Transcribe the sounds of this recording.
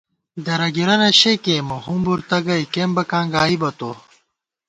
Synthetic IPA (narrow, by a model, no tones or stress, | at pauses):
d̪ɐɾɐɡiɾɐnɐɕekemɐhumbuɾt̪ɐɡɐikembɐkãːŋɡaːibɐt̪o